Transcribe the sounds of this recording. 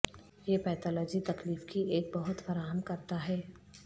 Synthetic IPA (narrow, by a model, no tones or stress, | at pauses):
jepɛːt̪ʰɔːlɔːd͡ʒit̪ɐkliːfkieːk̚bɐɦʊt̪fɐɾaːɦəmkɐɾt̪aɦɛː